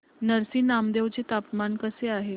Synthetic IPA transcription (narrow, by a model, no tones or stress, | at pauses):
nəɾsiːnamd̪eʋt͡set̪apmankəseaɦe